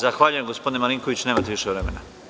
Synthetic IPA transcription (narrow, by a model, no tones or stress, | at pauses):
zaxʋaːʎuje̞mɡospod̪inemaɾiŋko̞ʋit͡ɕne̞ːmat̪eʋiʃeʋɾe̞me̞na